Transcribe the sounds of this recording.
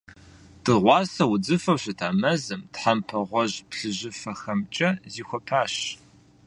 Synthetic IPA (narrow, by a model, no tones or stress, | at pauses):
d̥ɨʁʷɑːsɐwʊd͡zɨfɐwɕɐtʰaːmɐzɨmtħampʰɐʁʷɔʑpɬɨʑɪfɐxɐmt͡ʃʼɐziːxʷɔpʰaːɕ